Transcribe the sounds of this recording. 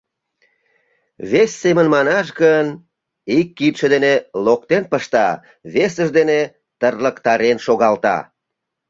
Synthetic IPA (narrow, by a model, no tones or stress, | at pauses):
βesːemənmɑnɑʃɣən | ikːit̪ʃəd̪enelokt̪enpəʃt̪ɑ | βesəʒd̪ene | t̪ərləkt̪ɑɾenʃoɣɑlt̪ɑ̰